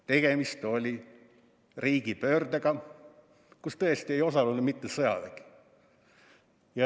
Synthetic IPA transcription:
t̪e̞ɡ̥e̞mist̪o̞lʲi | riːɡ̥ipø̞ːrd̪̥eɡɑ | kust̪ɤe̞st̪ie̞jo̞sɑlunud̪mit̪ːesɤjɑ̰d̪æki̥ | jɑ

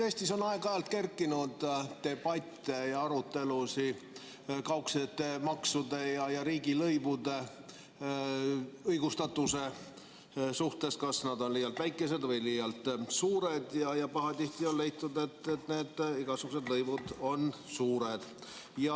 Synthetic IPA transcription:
eːsʲt̪iso̞nɑe̞ɡ̥ɑjɑlt̪̚ke̞rkːˑinud̪̥t̪e̞b̥ɑt̪ʲːˑejɑɑɾut̪ːˑe̞lusi | kɑwkset̪ːe̞mɑksud̪e̞jɑjɑɾiːɡilɤjvud̪̥e̞ | ɤjɡ̥ust̪ɑt̪ːˑuse̞ | suht̪e̞skɑsnɑd̪o̞nlijɑlt̪væjkːˑe̞se̞d̪vɤjlijɑlt̪suːɾe̞d̪jɑjɑpɑɦɑt̪iht̪io̞nle̞jt̪ːˑud̪e̞t̪ːet̪ne̞ːd̪̥iɡ̥ɑsuɡ̥use̞d̪lɤjvud̪o̞nsuːɾe̞d̪̥jɑ

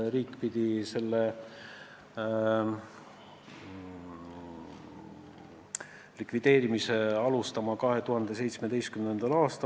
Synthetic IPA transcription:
ɾiːkːpid̪̥ise̞lːe | likvid̪̥e̞ːɾimise̞ɑlust̪ɑmɑkɑɦe̞t̪uɦɑnd̪̥e̞s̬e̞jt̪smed̪e̞jst̪kymnend̪ɑlɑːst̪ɑ

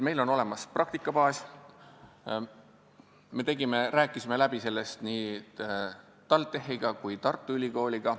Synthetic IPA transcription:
me̞jlo̞no̞le̞mɑsprɑk̚t̪ikːˑɑpɑːs | me̞t̪e̞ɡ̥ime̞ɾæːkˑːisʲime̞læb̥ise̞lːe̞st̪niː | t̪ɑlt̪ːˑe̞ɦiɡ̥ɑkujt̪ɑrt̪ˑːuylʲiɡo̞ːlʲiɡ̥ɑ

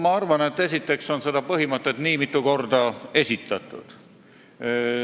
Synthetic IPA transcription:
mɑɑrvɑne̞t̪ːe̞s̬ʲit̪ˑːe̞kso̞nse̞d̪ɑpɤɦimɤt̪ːˑet̪niːmit̪ːˑuko̞rd̪ɑe̞sit̪ːˑɑt̪ːˑṵd̪̥

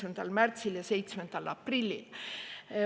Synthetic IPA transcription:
mend̪̥ɑlmært̪siljɑse̞jt̪smend̪̥ælɑprilːḭl

